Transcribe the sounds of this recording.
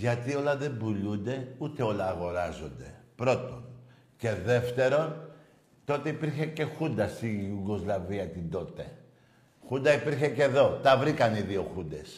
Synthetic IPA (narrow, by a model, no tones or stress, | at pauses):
ʝɐt̪io̞lɐðe̞bulund̪e̞ut̪e̞o̞lɐːɣo̞ɾɐzo̞nd̪e̞̰pɾo̞t̪o̞n | ce̞ðe̞ft̪e̞ɾo̞n | t̪o̞t̪e̞ipiɾçe̞ce̞xund̪ɐsijʝuɡo̞zlɐviɐt̪ind̪o̞t̪e̞ | xund̪ɐipiɾçe̞ce̞ðo̞t̪ɐvɾikɐniðio̞xund̪e̞s